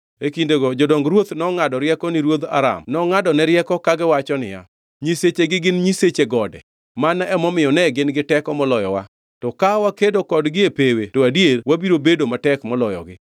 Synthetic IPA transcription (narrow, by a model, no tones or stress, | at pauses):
ekindeɡɔd͡ʒɔdɔŋɡɾwot̪nɔŋadɔɾjɛkɔnɪɾwod̪a̰ɾa̰mnɔŋadɔnɛɾjɛkɔkaɡɪwat͡ʃɔnɪ̰ja̰ | ɲiset͡ʃeɡɪɡɪnɲiset͡ʃeɡɔdɛ̰ | manɛmɔmɪjɔnɛɡɪnɡɪtɛkɔmɔlɔjɔ̰wa̰ | tɔkawakedokɔdɡɪepewetoadjelwabiɾobedomatɛkmɔlɔjɔ̰ɡɪ̰